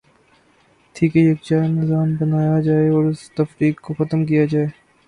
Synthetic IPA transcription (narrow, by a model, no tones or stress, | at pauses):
t̪ʰiːkejɐk̚t͡ʃaːnɪzaːmbɐnaːjad͡ʒaːeɔːɾʊst̪ɐfɾiːkkːoxɐt̪əmk̬ijad͡ʒaːeː